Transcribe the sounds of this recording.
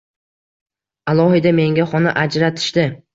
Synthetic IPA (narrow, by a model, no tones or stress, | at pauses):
alˠɒhɪd̪ame̞ŋɡʲaχɒnaʔad͡ʒɾat̪ʰɪ̥ʃd̪ɪ